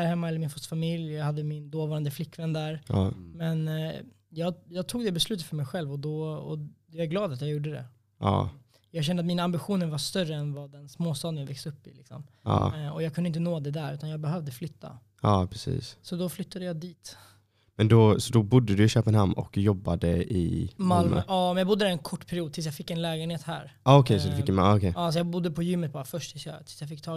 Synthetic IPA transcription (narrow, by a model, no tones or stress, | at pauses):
hæɾhɛmːaɛləɾmɪnfɔst̪famɪljjɑːɡhad̪ːəmɪnd̪oːvɑːɾand̪əflɪkːvɛnːd̪æɾmɛn | jɑːɡjɑːɡ̚t̪ʰuːɡd̪ɛbɛslʉ̟t̪ət̪fœɾmɛjɧɛlvɔd̪ɔɔ̰d̪aɡlɑːd̪at̪jɑɡjuːɖəd̪ɛ̰ | ʔɑ̰ː | jɑːɡɕɛnəat̪miːnaambɪɧuːnəɾvaʂt̪œrːəɛnvad̪ɛnsmoːst̪ɑːd̪ənjavɛksɵpːɪ̰lɪksɔ̰mɑ̰ːɔjɑɡkʰɵnɪnt̪ənoːd̪ɛd̪æɾʉ̟ːt̪anjɑːɡ̚bɛɦœvd̪əflʏt̪ʰːa̰ | ɑːpʰɾɛsḭːssɔd̪ɔflʏt̪ːad̪əjɑːd̪iːt̪ | mɛnd̪ɔsɔd̪ɔbʊd̪ːəd̪ɵɪɕøːpɛnhamːɔ̰kjɔbːad̪əɪ̰malmø̰ɑːmɛnjɑːbʊd̪ːəd̪æɾɛnkʰɔʈːpʰæɾɪuːd̪̚t̪ʰɪlsjɑɡfɪkːɛnlɛːɡənheːt̪hæ̰ːɾɑːɔkʰɛjsɔd̪ɛfɪkːjmaɔkʰɛɑːsɔjɑːbʊd̪ːəpʰɔjʏmːət̪̚bɑːɾafœʂʈ̪ʰɪlsj̰t̪ʰɪ̥lsjɑfɪkːt̪ʰɑː